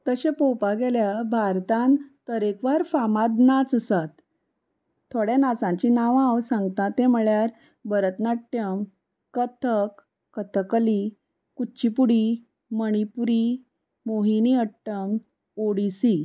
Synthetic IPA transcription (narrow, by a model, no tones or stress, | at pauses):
t̪əɕepowpaɡeljabʱaɾt̪ãnt̪əɾekʋaɾfamad̪nat͡səsat̪ | t̪ʰːoɽjanat͡sãɲt͡ɕinaʋãwsãŋɡt̪ãt̪eməɭjaɾ | bəɾət̪naʈːjəm | kət̪ʰəkː | ət̪ʰəkəli | kut͡ɕipuɽi | məɽ̃ipuɾi | moɦiniəʈːəm | oɽisi